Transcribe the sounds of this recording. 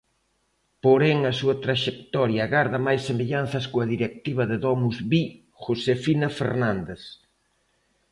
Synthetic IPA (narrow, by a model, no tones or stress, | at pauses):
poɾɛŋɐsuɐt̪ɾaʃek̚t̪ɔɾjɐɣaɾðɐmajsːemeʎan̟θɐskoɐðiɾek̚t̪iβɐðeðɔmuzβi | xosefinɐfḛɾnand̪eθ